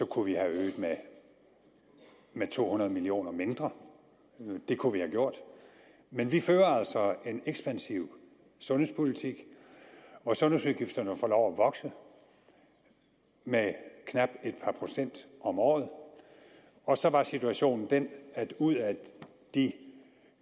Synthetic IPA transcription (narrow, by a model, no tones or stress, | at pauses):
sɒ̽kʰuʋihæøːð̩ˠme | met͡sʰo̝̰ːhunɐðˠmilio̝̰ːnɐme̝nd̥ʁɐ | d̥e̝kʰuʋihæɡ̥jo̝ɐ̰d̥ | menʋiføːɐæl̰sɒ̽e̝neɡ̥sb̥ænsiʊ̰ | sɔ̽nhespʰo̝lit͡sʰiɡ̥ | ʋɒsɔ̽nuðˠsuðˠɡ̥ifd̥ɐnəfɒlɒʊæʋɒ̽ɡ̥sə | mekʰnɑb̥e̝d̥̚pʰɑ̈pʰʁo̝sen̰d̥ɒ̽mɒ̰ːð̞̩ˠ | ɒ̽sɒ̽ʋɑ̈sit͡sʰuæɕo̝̰ːnn̩d̥enæd̥uð̰ˠæ | d̥i